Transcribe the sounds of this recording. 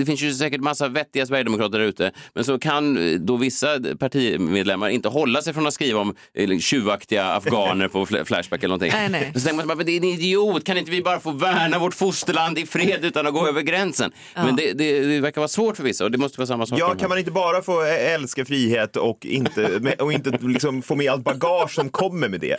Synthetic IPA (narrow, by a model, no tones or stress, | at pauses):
d̪ɛfɪnsjɵsɛːkəʈmasːavɛt̪ːɪɡasvæɾjəd̪ɛmʊkɾɑːt̪əɖæɾʉ̟ːt̪əmɛnsɔkʰand̪ɔvɪsːapʰaʈʰiːmeːd̪lɛmːaɾɪnt̪əɦɔlːasɛjfɾɔnat̪skɾiːvaɔm | ɕʉ̟ːakt̪ɪɡaa̰fɡɑːnəɾpʰɔfflæ̰ʂbækɛlənɔnt̪ɪ̰ŋɛsɔt̪ɛŋkmnsjbamɛnd̪ɛɛnɪd̪ɪuːt̪kʰanɪnt̪̬əvɪbɑːɾafoːvæːɳavɔʈfʊst̪əland̪ɪfɾeːd̪ʉ̟ːt̪anɔɡoːøːvəɾɡɾɛnsə̰n | mɛnd̪ɛd̪ɛɛvæɾkavɑːɾsvoːʈfœɾvɪsːaɔd̪ɛmɔst̪əvɑːsamːasɔːjɑːkʰanmanɪnt̪əbɑːɾafoːɛlskafɾiːheːt̪ɔkːɪ̰nt̪əmɛʔɔɪnt̪əlɪksɔmfoːmɛalt̪̚baɡɑːʂsɔmkʰɔmːəɾmɛd̪ɛ̰